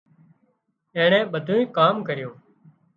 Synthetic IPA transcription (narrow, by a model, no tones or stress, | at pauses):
ẽːɳɛ̃ːɓəd̪ʱũːĩːkaːmkəɾɪjõː